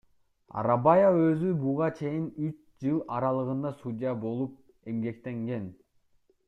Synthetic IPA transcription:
ɑ̰ɾɑbajaøzybuʁɑt͡ʃʰe̞jinyt͡ʃ | d͡ʒɯlˠɑɾɑlˠɯʁɯnd̪ɑsudʲɪjabo̞lˠup̚ | e̞mɡe̞kt̪e̞ŋɡe̞n

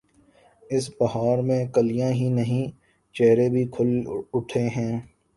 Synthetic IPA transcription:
ɪsbɐɦaːɾmẽkəlijãɦinɐɦĩ | t͡ʃɛɦɾebʱikʰʊlʊʈʰeɦɛ̃ː

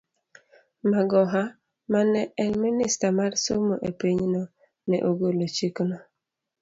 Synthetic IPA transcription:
maɡɔɦa | manɛɛlministamaɾsomoʔepiɲnɔ | nɛ̰ʔoɡolot͡ʃiknɔ

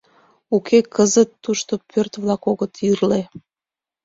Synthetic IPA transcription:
ukʰekəzət̪ːuʃt̪opørt̪βlɑkoɣət̪ʰirle

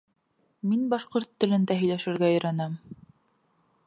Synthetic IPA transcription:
minbɑʃqoɾt̪ːɘ̆lɘ̆nd̪æɦɵ̆jlæʃɘ̆ɾɡæɵ̆jɾænæm

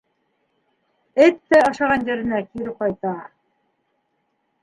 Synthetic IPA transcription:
ɘt̪ːæɑʃɑʁɑnjæɾɘ̆nækiɾɘp̚qɑjt̪ɑ

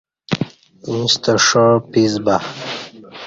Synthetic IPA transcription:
ĩst̪əʂəpizba

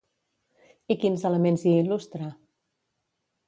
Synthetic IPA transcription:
ikinzələmenziilust̪ɾa

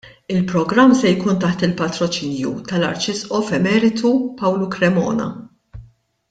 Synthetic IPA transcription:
ɪlpɾɔɡɾɐmːsɛjkuːnt̪ɐħt̪ɪlpɐt̪ɾɔt͡ʃiːnjṵt̪ɐlɐ̰ɾt͡ʃɪsʔɔfɛmɛːɾɪt̪ʰupɐwlukɾɛmɔ̰ːnɐ̰

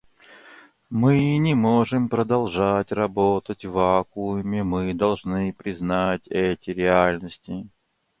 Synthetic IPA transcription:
mɨinʲɪmoʐɨmpɾəd̪ɐlˠʐatʲrɐbot̪ətʲvakumʲɪmɨd̪ɐlˠʐnɨpɾʲɪznatʲɛtʲɪɾʲɪalʲnəsʲtʲɪ

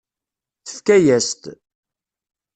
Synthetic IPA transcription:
θə̥fkæjæst̪

